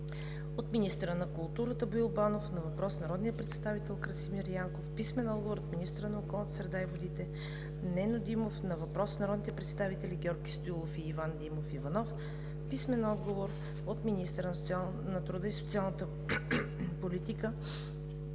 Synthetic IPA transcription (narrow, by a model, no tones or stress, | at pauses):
ot̪minist̪əɾənɐkʊlˠt̪uɾət̪əboilˠbanofnɐvɐpɾɔsnɐɾɔd̪nijəpɾɛt̪st̪avit̪ɛlˠkɾəsimiɾjaŋkofpismɛnɔd̪ɡovoɾot̪minist̪əɾənɐokɔlˠnət̪əsɾɛd̪aivod̪it̪ɛ | nɛnod̪imofnɐvɐpɾɔsnɐɾɔd̪nit̪ɛpɾɛt̪st̪avit̪ɛliɡʲɔɾɡʲist̪oilˠofiːvand̪imofivɐnɔf | pismɛnɔd̪ɡovoɾ | ot̪minist̪əɾənoa | nɐt̪ɾud̪əiso̥t̪sialˠnət̪ə | polit̪ikə